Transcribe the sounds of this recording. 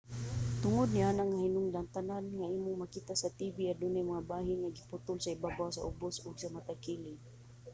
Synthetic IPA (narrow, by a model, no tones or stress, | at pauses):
t̪ʊŋʊd̪nɪaːnaŋahinʊŋd̪aŋt̪ananŋaiːmʊŋmakit̪asat̪ibiad̪ʊnajmaŋabaːɦɪnŋaɡipʊt̪ʊlsaibabasa̰ʔʊbʊsʊɡsamat̪akilɪŋ